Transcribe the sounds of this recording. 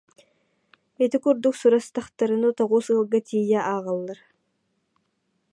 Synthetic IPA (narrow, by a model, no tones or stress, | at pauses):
ɛt̪ikuɾd̪uksuɾast̪aχt̪aɾɯnɯt̪ɔʁuːsɯlˠɡat̪ʰijɛʔaːʁɯlˠːaɾ